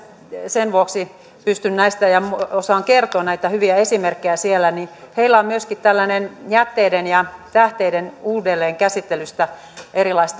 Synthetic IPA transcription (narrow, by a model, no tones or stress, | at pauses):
senʋuoksi | pyst̪ynnæist̪æjɑmosɑːŋkert̪oːnnæit̪æhyʋiæesimerkːejæsielːˑæniheilːæommyøskit̪t̪ælːænenjæt̪ːeːdenjɑt̪æht̪eidenuːdelːeːŋkæsit̪ːelyst̪æ | eɾilɑist̪